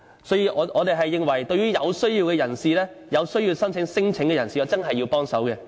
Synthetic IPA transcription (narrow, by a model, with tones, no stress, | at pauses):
sɔː˨˥jiː˧ʔɔː˨˧ʔɔː˨˧t̪e˨jɦɐ˨jːɪ˨˧ŋwɐ˨˩jt̪ɵ˧ɥyː˥jɐ˨˧wsɵ˥ɥjiː˧wkɛ˧jɐ˨˩nsiː˨lɛː˥ | jɐ˨˧wsɵ˥ɥjiː˧wsɐ˥nt͡sʰɪ˨˥ŋsɪ˥ŋt͡sʰɪ˨˥ŋkɛ˧jɐ˨˩nsiː˨ɔː˨˧t͡sɐ˥nɦɐ˨jːi˧wpɔː˥ŋsɐ˨˥wkɛ˧